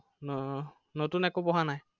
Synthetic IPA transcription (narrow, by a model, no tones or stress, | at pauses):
n | notunɛkopɔɦanaj